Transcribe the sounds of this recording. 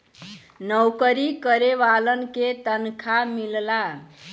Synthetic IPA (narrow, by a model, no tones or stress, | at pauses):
nəwkəɾikəɾeʋalənket̪ənkʰamilla